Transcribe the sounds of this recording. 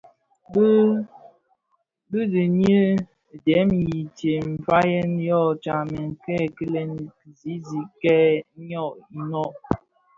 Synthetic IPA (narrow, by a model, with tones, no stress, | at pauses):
b | bɨ˦di˨ɲə˦˨ | dɛ˨˦m˨ji˨tje˨m̩˨fa˦jɛ˦njɔ˦˨t͡ʃa˨mɛ˨ŋ˨kɛ˦kə˦lɛ˦n˦ki˨zi˨˦zi˨˦kɛ˦ɲɔ˦˨ʔnɔ˦˨ʔ